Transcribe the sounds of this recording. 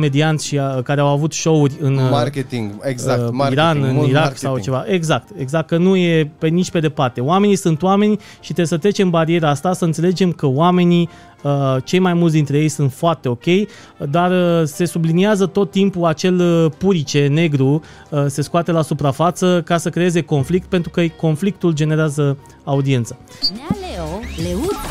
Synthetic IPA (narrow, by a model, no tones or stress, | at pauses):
me̞d̪iant̪sʲʃikaɾeawavut̪ʃo̞urʲɨnt̪iɡzaiɾanɨniɾaksawt͡ʃe̞vaʔeɡzak̚t̪e̞ɡzak̚t̪̚kənuje̞penit͡ʃʲpe̞d̪e̞part̪e̞oame̞nisunt̪oame̞nʲ | ʃit̪esət̪ɾe̞t͡ʃe̞mbaɾie̞ɾaast̪asəɨnt̪se̞le̞d͡ʒe̞mkəoame̞ni | ət͡ʃe̞jmajmult̪̬d̪int̪ɾeje̞jsunt̪foart̪e̞o̞kʲe̞j | d̪arse̞subliniazət̪o̞t̪ːimpuat͡ʃe̞ləpuɾit͡ʃe̞ne̞ɡɾu | se̞skuat̪e̞lasupɾafat̪səkasəkɾe̞e̞ze̞ko̞nflik̚t̪̚pe̞nt̪ɾukəko̞nflik̚t̪uld͡ʒe̞ne̞ɾeazə | aud̪ie̞nt̪sḁ | aleoleu